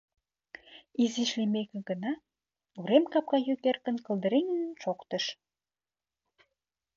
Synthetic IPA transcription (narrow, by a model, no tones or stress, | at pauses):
iziʃlemekĕɡənɑ | uɾemkɑp̚kɑjukerkə̆nkə̆ld̪əɾeŋənənʃokt̪əʃ